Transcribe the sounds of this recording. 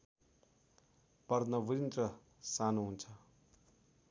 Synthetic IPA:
pʌrd̪nʌbuɾint̪rʌ | sanoɦunt͡sʰʌ

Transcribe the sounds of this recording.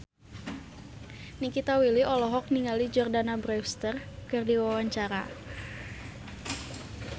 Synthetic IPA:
nikit̪awiliʔɔlɔɦɔk̚niŋalid͡ʒɔrdanabɾɛst̪ərkɨrdiwawaɲt͡ʃaɾa

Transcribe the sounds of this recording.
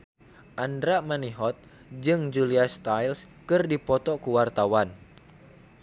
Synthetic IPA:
ʔandɾamaniɦɔt̪̚ | d͡ʒɨŋd͡ʒuliast̪ajls | kɨrdipɔt̪ɔkuwart̪awan

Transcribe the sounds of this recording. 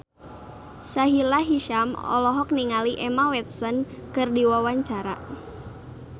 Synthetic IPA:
saɦilaɦiʃamɔ̰lɔɦɔk̚niŋaliʔɛmawɛt̪̚sɔn | kɨrdiwawaɲt͡ʃaɾa̰

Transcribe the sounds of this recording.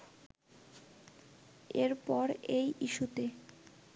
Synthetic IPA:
eɾpɔɾejʔiʃut̪e

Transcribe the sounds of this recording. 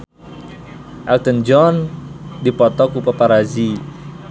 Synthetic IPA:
ʔalt̪ənd͡ʒɔndipɔt̪ɔkupapaɾazi

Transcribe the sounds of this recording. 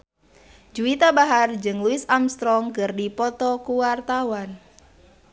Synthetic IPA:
d͡ʒuit̪abaɦard͡ʒɨŋluɪsamst̪ɾɔŋkɨrdipɔt̪ɔkuwart̪awan

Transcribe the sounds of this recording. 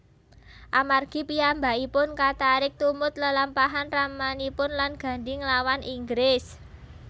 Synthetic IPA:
ʔamarɡ̥i̤piambaʔipʊnkat̪aɾɪk̚t̪umʊt̪̚ləlampaɦanramanipʊnlanɡ̥ä̤ɳdɪŋlawanʔiŋɡɾɪs

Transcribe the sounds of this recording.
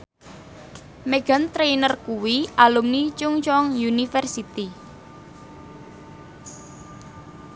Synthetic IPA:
meɡ̥a̤nt̪ɾejnərkuwiʔalʊmnit͡ʃʊŋt͡ʃɔŋjunifɛrsit̪i

